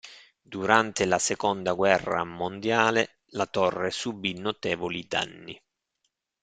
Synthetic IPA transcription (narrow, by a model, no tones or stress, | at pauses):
d̪uɾant̪elasekond̪aɡwɛrːa̰mond̪jaːle | lat̪ɔrːesubːinːot̪ɛːvolid̪a̰nːi